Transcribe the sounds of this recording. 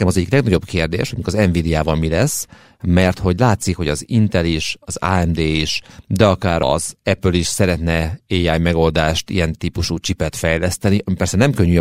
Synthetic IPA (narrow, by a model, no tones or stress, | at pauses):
ɛmɒzɛɟːiklɛɡnɒɟo̞bkeːrd̪ḛːʃhoɟmikɒzɛɱviːd̪iaːvɒlmilɛsː | mɛrt̪ho̞ɟlaːt̪sikho̞ɟɒzint̪ɛliʃɒza̰ːɛmd̪eːiʃd̪ɛɒkaːɾɒ̰zɛpliʃsɛɾɛt̪nɛeːjajmɛɡo̞ld̪aːʃt̪ḭjɛnt̪iːpuʃuːt͡ʃipɛt̪fɛjlɛst̪ɛniʔɒmipɛrsɛnɛmkøɲːy